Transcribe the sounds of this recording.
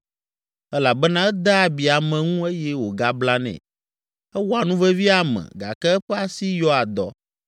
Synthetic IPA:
ɛ˦la˨bɛ˦nã˦ɛ˦d̪a˦˨bi˨a˨mɛ̃˨ŋũ˦e˦jɛ˦wo˨ɡa˦bla˦nɛ̰̃˨ | ɛ˦wɔ˦a˨nũ˦vɛ˦vi˦a˨mɛ̰̃˨ɡa̰˨kɛ˦ɛ˦ɸɛ˦a˨si˦jɔ˦a˨d̪ɔ̰˦

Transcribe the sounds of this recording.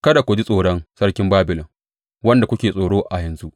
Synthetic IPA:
kɐ˦da˨kʷʊ˨d͡ʒi˦sʼoː˨ɽɔ˦nsɐ˦ɽkʲɪ˦mbaː˦bɪ˨lɔ˨ŋ | wɐ˦nda˨kʷʊ˦kʲeː˨sʼoː˨ɽoː˦ʔa˨jɐ˨nzu˦ʔ

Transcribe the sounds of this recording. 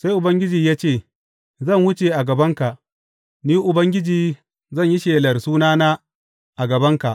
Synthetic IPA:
sa˦jʔʊ˨bɐ˦ŋɡʲɪ˦d͡ʒiː˨jaː˦t͡ʃeː˦˨ | zɐ˦˨ŋhʊ˦t͡ʃe˨ʔa˨ɡɐ˨bɐ˦ŋka˨ʔ | niː˦ʔʊ˨bɐ˦ŋɡʲɪ˦d͡ʒiː˨ | zɐ˦˨ɲji˦ʃeː˨lɐ˨rsuː˦naː˦naː˦ | ʔa˨ɡɐ˨bɐ˦ŋka˨ʔ

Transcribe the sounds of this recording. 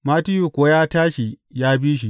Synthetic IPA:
maː˦tɪ˦ju˨kʷoː˨˦jaː˦taː˦ʃi˨ | jaː˦biː˦ʃ̬i˨ʔ

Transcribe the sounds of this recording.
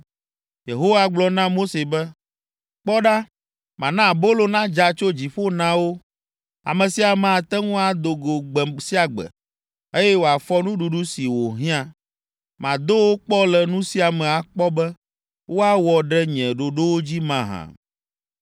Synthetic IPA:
je˨ɦo˦wa˦ɡ͡blɔ˦nã˦mo˦se˨bɛ˦ | k͡pɔ˦ɖa˦ | mã˨nã˦˨bo˦lo˨nã˦d͡ʒa˨t͡ʃo˦d͡ʑi˨ɸo˦nã˦wo˦ | a̰˨mɛ̃˨si˨a˨mã˨t̪ɛ˦ŋũ˦a˨d̪o˨ɡo˨ɡ͡bɛ˨si˦a˨ɡ͡bɛ̰˨ | e˦jɛ˦wo˨a˨fɔ˦nũ˦ɖu˨ɖu˦si˨wo˨ɦĩ˦ã˨ | mã˨d̪o˦wo˦k͡pɔ˦lɛ˨nũ˦si˦a˨mɛ̃˨a˨k͡pɔ˦bɛ˦ | wo˦a˦wɔ˨ɖɛ˦ɲɛ̃˨ɖo˨ɖo˦wo˦d͡ʑi˦mã˨ɦã̰˨

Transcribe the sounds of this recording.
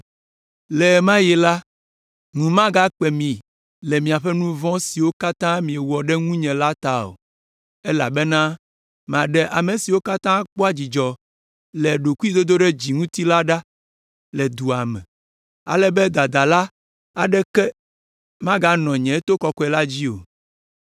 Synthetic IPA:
lɛ˨mã˦jɛ˨la˦ | ŋũ˨mã˦ɡa˦k͡pɛ˨mĩ˨ | lɛ˨mĩ˨a˨ɸɛ˦nũ˦vɔ̃˦si˨wo˦ka˦t̪ã˦mĩ˨ɛ˨wɔ˨ɖɛ˦ŋũ˦ɲɛ̃˨la˦t̪a˦o̰˨ | ɛ˦la̰˨bɛ˦nã˦ | m˨ã˨ɖɛ˨ʔa˨me˨si˨wo˦ka˦t̪ã˦k͡po˦a˦d͡ʑi˨d͡ʒɔ˨ | lɛ˨ɖo˨ku˦i˦d̪o˦d̪o˦ɖɛ˦d͡ʑi˨ŋũ˦t̪i˦la˦ɖa˦ | lɛ˨d̪u˨a˨mɛ̃˨ | a̰˨lɛ˦bɛ˦d̪a˨d̪a˨la˦ | a˨ɖɛ˦kɛ˦ | mã˦ɡa˦nɔ̃˨ɲɛ̃˨˦t̪o˦kɔ˨kɔ˦ɛ˨la˦d͡ʑi˦o̰˨

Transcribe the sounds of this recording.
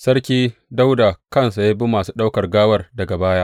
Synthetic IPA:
sɐ˦ɽkʲiː˦da˦wda˨kɐ˦nsa˨ja˦bi˦mːaː˨suː˦ɗa˦wkɐ˨rɡaː˦wɐ˦rdɐ˨ɡa˨baː˦jaː˦ʔ

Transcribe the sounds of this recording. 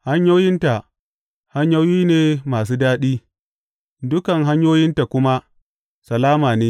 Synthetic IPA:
ha˦ɲjoː˦jɪ˦nta˨ | ha˦ɲja˦jiː˦neː˨maː˨s̬uː˦daː˦ɗiː˦ | dʊ˦kɐ˨ŋɦa˦ɲjoː˦jɪ˦nta˨kʷʊ˦ma˦ | sɐ˨laː˦maː˨neː˦

